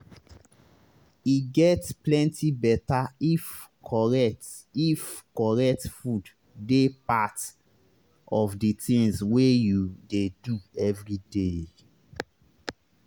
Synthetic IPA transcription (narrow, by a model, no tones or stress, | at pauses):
iɡɛtsplɛ̃ntibɛtaifkʰɔɹɛt | ifkɔɹɛk̚tfud | depat | ɔfditĩŋswejudeduɛvɹide